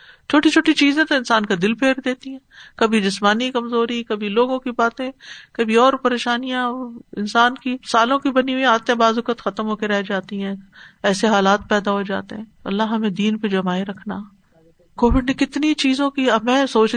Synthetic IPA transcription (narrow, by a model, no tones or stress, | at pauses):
t͡ʃʰoːʈit͡ʃʰoːʈit͡ʃiːzẽt̪oɪnsaːnkad̪ɪlpʰeːɾd̪eːt̪iɦɛ̃ːkɐbʱid͡ʒɪsmaːnikɐmzoːɾikɐbʱiloːɡõkibaːt̪ẽkɐbʱiɔːɾpɐɾeːʃaːnijãɪ̰nsaːnkisaːlõkibɐniuiaːt̪ẽbaːzʊkət̪xɐt̪əmɦoːkeɾɛɦd͡ʒaːt̪iɦɛ̃ːɛːseɦaːlaːt̪̚pɛːd̪aɦod͡ʒa̰ːt̪eɦɛ̃ːɐlːaɦɐmẽd̪iːnped͡ʒɐmaːeɾɐkʰnaː | koːʋɪɖnekɪt̪nit͡ʃiːzõkiɐmɛ̃ːsoːt͡ʃ